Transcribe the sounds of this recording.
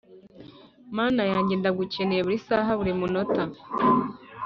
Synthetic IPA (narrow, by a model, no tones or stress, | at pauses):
maːnajaːɲɟeːndaɡucenejeβuɾisaːɦaβuɾimuno̞ta